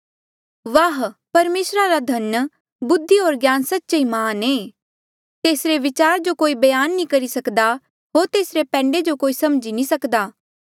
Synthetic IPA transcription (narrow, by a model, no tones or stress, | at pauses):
ʋaɦpɐɾmeːsɾaɾad̪ʱɐn | bʊd̪ʱːiɦoːɾɡjaːnsətːt͡ʃaimaːneː | t̪eːsɾeʋɪt͡ʃaːɾd͡ʒokoːibɐjaːnːĩkɐɾisɐkd̪a | ɦoːɾt̪eːsɾepɛ̃ːɳɖed͡ʒokoːisɐmd͡ʒinĩsɐkd̪aː